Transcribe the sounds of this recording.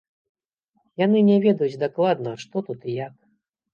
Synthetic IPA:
janɨnʲɛvʲɛd̪ɐjud͡zʲd̪aklˠad̪nɐʂt̪ɔt̪ut̪ijak

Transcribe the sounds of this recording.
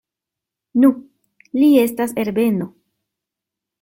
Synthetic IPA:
nu | lie̞stase̞ɾbe̞no̞

